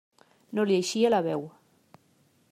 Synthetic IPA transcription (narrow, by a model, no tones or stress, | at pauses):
nolieʃielaβɛw